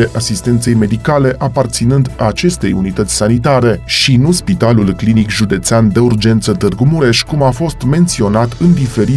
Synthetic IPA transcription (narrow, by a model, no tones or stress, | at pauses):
eʔasist̪e̞nt̪se̞jme̞d̪ikale̞ʔapart̪sinɨnd̪at͡ʃe̞st̪e̞junit̪ət̪sʲsanit̪aɾe̞ʃinuspit̪alulklinikʒud̪e̞t̪seand̪e̞urd͡ʒe̞nt̪sət̪ɨrɡumuɾe̞ʃkumafo̞st̪me̞nt̪sio̞nat̪ɨnd̪ife̞ɾi